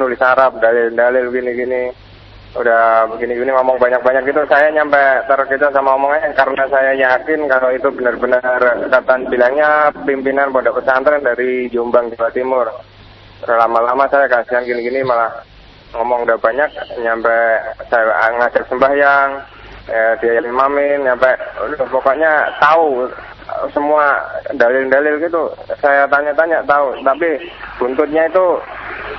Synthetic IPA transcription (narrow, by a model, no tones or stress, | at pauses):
ənulɪsaɾap̚dalɪldalɪlɡiniɡini | udahɡiniɡiniŋɔmɔŋbaɲak̚baɲak̚ɡit̪usajaɲampɛt̪əɾkit̪asamaomɔŋaɲakaɾənasajajakɪnkaloit̪ubənərbənərkat̪anbilaŋɲapimpinanpodapəsaant̪əɾandaɾid͡ʒombaŋd͡ʒiwat̪imʊr | t̪əɾhlamalamasajakasianɡiniɡinimalah | ŋɔmɔŋdabaɲak̚ɲampɛsajaa̰ŋasak̚səmbahjaŋ | diajalimamɪnɲampɛdɔhpɔkɔʔɲat̪au | səmuadalɪldalɪlɡit̪usajat̪aɲaʔt̪aɲaʔt̪aut̪apib̥unt̪ʊt̪̚ɲait̪u